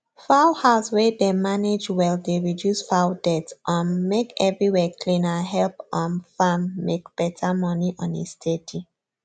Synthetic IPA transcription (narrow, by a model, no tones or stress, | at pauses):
faʊhaʊswɛdemaned͡ʒwaldeɹidjusfaʊdɛtsʔãnmekɛvɹiwɛkʰlĩnaɦɛlpɔ̃nfamːekb̥ɛtʰamɔniʔɔ̃nḭstʰetʰi